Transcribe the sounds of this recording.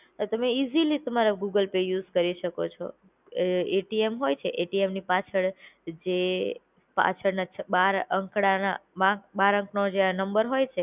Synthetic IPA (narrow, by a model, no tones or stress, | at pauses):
t̪əmeizilit̪əmaɾaɡuɡəlpejuzkəɾiʃəkot͡ʃʰo̰ | eʈiemɦojt͡ʃʰeʔeʈiemnipat͡ʃʰəɭd͡ʒe | pa̰t͡ʃʰəɾnat͡ʃʰbaɾəŋkɽana̰mãbaɾə̃ŋknod͡ʒeanəmbəɾɦojt͡ʃʰe